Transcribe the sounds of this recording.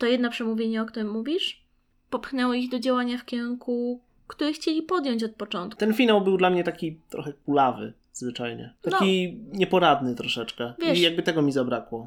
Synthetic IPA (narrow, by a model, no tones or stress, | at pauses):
t̪ɔjɛd̪napʂɛmuvʲjeɲɛɔkt̪uɾɘmːuvʲiʂ | pɔpxnɛwɔiɣd̪ɔd͡ʑawaɲafkʲɛɾuŋku | kt̪uɾɛxt͡ɕelʲipɔd̪jɔɲt͡ɕɔt̪̚pɔt͡ʂɔnt̪t̪ɛnfʲinawbɘwd̪lamɲɛt̪akʲit̪ɾɔ̰xɛkulavɘ̰ | z̥vɘt͡ʂajɲɛ̰t̪akʲiɲɛpɔɾad̪nɘt̪ɾɔʂɛt͡ʂkɛvvjɛijaɡ̚bɘt̪ɛɡɔmʲizabɾakwɔ